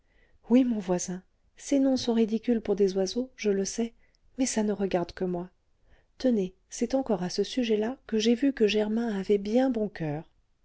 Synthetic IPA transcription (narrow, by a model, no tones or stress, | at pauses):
wimɔ̃vwazɛ̃ | senɔ̃sɔ̃ʁid̪ikʲylpuʁd̪ezwazoʒələsɛ | mɛsanəʁəɡaʁd̪kəmwa | t̪əne | sɛt̪ɑ̃kɔʁasəsyʒɛlakəʒevykəʒɛʁmɛ̃avɛbjɛ̃bɔ̃kœːʁ